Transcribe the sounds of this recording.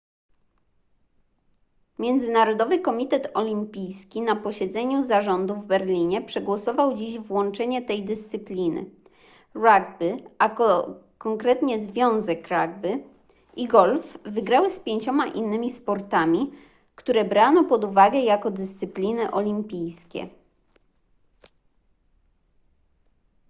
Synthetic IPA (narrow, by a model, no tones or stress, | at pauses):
mʲjɛnd̪zɘnaɾɔd̪ɔvɘkɔmʲit̪ɛt̪ɔlʲimpʲijskʲinapɔɕɛd̪zɛɲuzaʐɔnd̪uvbɛɾlʲiɲɛpʂɛɡwɔsɔvawd͡ʑiʑvwɔnt͡ʂɛɲɛt̪ɛjd̪ɘst̪sɘplʲinɘ̰ | ɾaɡ̚bɘaɔ | kɔŋkɾɛt̪ɲɛzvʲjɔ̃w̃zɛkɾaɡbɘ | ʔiɡɔlfːɘɡɾawɘspʲjeɲt͡ɕɔmaʔinːɘmʲispɔɾt̪amʲi | kt̪uɾɛbɾanɔpɔd̪uvaɡɛjakɔd̪ɘst̪sɘplʲinɘʔɔlʲimpʲijskʲɛ̰